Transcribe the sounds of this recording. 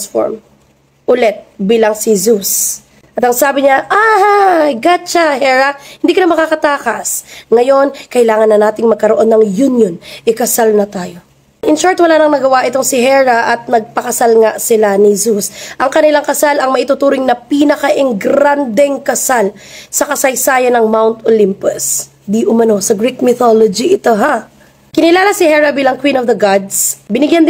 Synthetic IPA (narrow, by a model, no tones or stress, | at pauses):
sfo̰ɹm | ʔʊlɛt̪̚biːlɐŋsɪzus | ʔɐt̪ɐŋsaːbɪɲaʔahajɡat͡ʃɐhɛɹɐhɪnd̪ikɐnamɐkakɐt̪aːkɐsŋɐjo̞nkɐʔɪlaːŋɐnːɐnaːt̪ɪŋmɐɡ̚kɐɾoʔo̞nːɐŋjunjonʔɪkɐsalnɐt̪aːjo̞ | ʔɪnʃoɹt̪wɐlaːnɐŋnɐɡɐwaʔɪt̪oŋsɪɦɛɹɐʔɐt̪̚nɐɡ̚pɐkɐsalŋasɪlanɪsusʔɐŋkɐnɪlaŋkɐsalɐŋmɐʔit̪ʊt̪uːɾɪŋnɐpinɐkɐʔɪŋɡɾand̪ɛŋkɐsal | sɐkɐsɐjsaːjɐnɐŋmawnt̪olimpʊs | d̪iʔʊmɐno̞sɐɡɾik̚mɪθolod͡ʒiʔɪt̪oɦa | kɪnɪlaːlɐsɪhɛɹɐbilɐŋkwĩnovd̪ɐɡad̪sbɪnɪɡjand̪